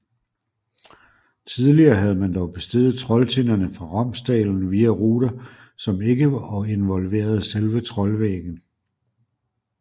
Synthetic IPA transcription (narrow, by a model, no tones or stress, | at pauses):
t͡sʰið̞ˠliɐːɦæð̞̩ˠəmænd̥ɒʊb̥e̝sd̥e̝ð̩ˠt͡sʰʁɒ̽lt͡sʰe̝nɐnəfʁɑ̈ʁɑm̰sd̥ɛ̰ːln̩ʋiːæʁuːd̥ɐ | sɒ̽me̝ɡ̥əɑe̝nʋɒ̽lʋe̝̰ːɐð̞̩ˠselʋət͡sʰʁɒ̽lʋḛːɡ̥n̩